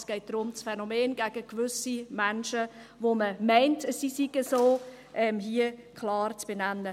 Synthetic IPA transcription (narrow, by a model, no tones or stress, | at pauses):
sɡ̥ɛɪt̚d̥ɾʊmt͡sfɛnomeːnɡæɡəkvʏsimɛnʃəvoməmɛɪntəssisiɡ̥əsoː | ʔɛmɦiəkʰlɑːɾt͡sb̥enɛnːə